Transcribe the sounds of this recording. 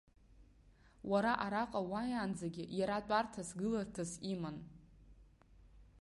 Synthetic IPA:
waɾaʔaɾaqʼawajaːnd͡zaɡʲɪjaɾatʷʼartʰasɡɨlartʰasiman

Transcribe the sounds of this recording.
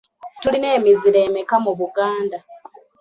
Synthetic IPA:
tuline̞ːmiziɾe̞ːmekamuβuɡaːnda

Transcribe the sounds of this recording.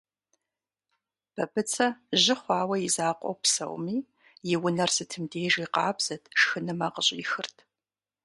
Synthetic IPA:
b̥ɐbɨt͡sʰɐʑɪχʷɑːwɐjizaːqʷʼɔ̰wpsɐ̰wmiː | jɪwʊnɐrsɨtʰɨmdeːʒiːqɑːbz̥ɐtʰʂxɨnɨmaqəɕʼɪxɨrtʰ

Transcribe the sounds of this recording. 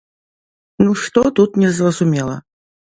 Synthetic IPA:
nuʂt̪ɔt̪ut̪nʲɛzrɐzumʲɛlˠɐ̰

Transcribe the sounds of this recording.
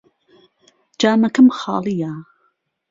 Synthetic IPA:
d͡ʒaːmɐkəmxɑ̰ːlˠija

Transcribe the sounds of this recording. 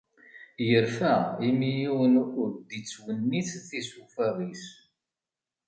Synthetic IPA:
jəɾfæimijiwənukd̪it͡sːwənːiθθisufɑðˤis

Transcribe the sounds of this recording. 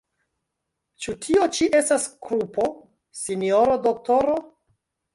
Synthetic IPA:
t͡ʃutʰio̞t͡ʃiʔe̞staskɾupo̞ | sinioɾodok̚toɾo̞

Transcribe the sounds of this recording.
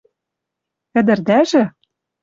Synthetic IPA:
ɘ̆d̪ɘ̆rd̪æʒɘ̆

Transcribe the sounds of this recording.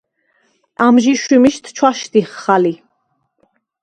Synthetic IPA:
amʒiʃwimiʃt̪ʰt͡ʃʰwaʃt̪iχːali

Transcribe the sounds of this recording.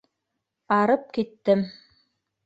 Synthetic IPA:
ɑɾɤp̚kit̪ːɘm

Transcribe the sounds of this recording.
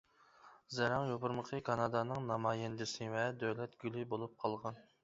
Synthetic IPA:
zɛɾɑŋjopʊɾməqʰəkʰɑnɑd̪ɑnɨŋnɑmɑːjɛnd̪ɪsɪvɛd̪øwlɛt̪ɡʲylɪbolˠup̚qʰɑlˠʁɑn

